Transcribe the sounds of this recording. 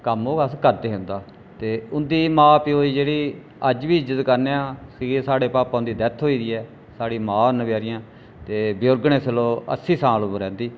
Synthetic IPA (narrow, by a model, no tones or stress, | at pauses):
kəmoːəskəɾd̪eːɦʊ̃nd̪aː | t̪eːʊnd̪iːmãːpioːiːd͡ʒeːɽiː | əd͡ʒʋiːɪd͡ʒət̪kəɾneːãːsiːɡeːsaːɽeːpaːpãːʊ̃nd̪iːd̪ɛt̪ʰɦoːiːd̪iːɛː | saːɽiːmãːnəbjaːɾɪjãː | t̪eːbɪjoːɾɡɳẽːsəloːə̰siːsãːloːbəɾɛ̃ːnd̪iː